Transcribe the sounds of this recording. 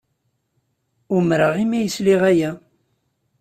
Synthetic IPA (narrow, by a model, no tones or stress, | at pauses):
ʊmɾəʁimæjəsliʁæjæ